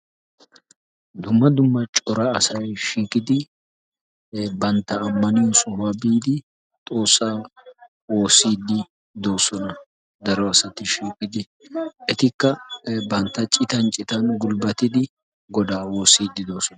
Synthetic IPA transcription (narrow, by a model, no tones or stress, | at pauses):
d̪ʊmːɐd̪ʊmːɐt͡ʃʼɔɾɐːsɐjʃiːkʼɪd̪ɪ | bɐnt̪ːɐːmːɐniːsʊwɐbiːd̪ɪ | t̪ʼo̞ːsːaː | wo̞ːsiːd̪ːɪ | d̪o̞ːsɔnɐ | d̪ɐɾɔɐsɐt̪ɪʃiːkʼɪd̪ɪ | ʔɛt̪ɪkːɐbɐnt̪ːɐt͡ʃʼɪt̪ɐnt͡ʃʼɪt̪ɐnɡʊlbɐt̪ɪd̪ɪ | ɡɔd̪aːwoːsiːd̪ːɪd̪o̞ːsɔnɐ